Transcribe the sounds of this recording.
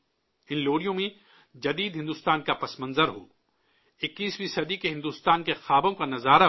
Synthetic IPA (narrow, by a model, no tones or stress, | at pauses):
ɪnloːɽijõmẽ | d͡ʒɐd̪iːd̪ɦɪ̃nd̪uːst̪aːnkapɐsmɐ̃nzəɾɦo̰ː | ɪkːiːsbiːsɐd̪ikeɦɪ̃nd̪uːst̪aːnkexaːbõkanɐzaːɾa